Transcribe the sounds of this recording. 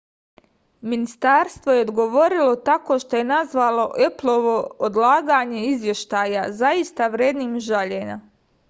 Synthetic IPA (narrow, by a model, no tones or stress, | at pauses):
minist̪aːɾst̪ʋoje̞od̪ɡo̞ʋo̞ɾilo̞t̪ako̞ːʃt̪o̞je̞nazʋalo̞ʔeplˠo̞ʋo̞od̪lˠaːɡaɲe̞izʋje̞ʃt̪aːjazaist̪aʋɾjeːd̪niːmʒaʎeɲa